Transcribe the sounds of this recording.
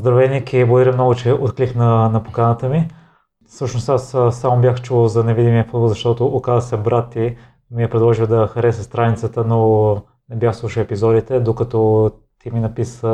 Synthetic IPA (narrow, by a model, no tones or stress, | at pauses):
zd̪ɾɐvɛnikiblˠɡʊd̪ɐɾəmnɔɡʊt͡ʃɛʔot̪kliknɐnɐpokanət̪əmi | sɤʃnost̪assːamobjaxt͡ʃuzɐnɛvid̪imiəfud̪bəlˠzɐʃt̪ɔt̪oːkazəsʲɐbɾat̪ːi | miɛpɾɛd̪lˠɔʒiwd̪ɐxɐɾɛsəst̪ɾanit̪sət̪əno | nɛbʲjaxslˠuʃəɛpizɔd̪it̪ɛd̪okɐt̪ɔ | t̪iminɐpisə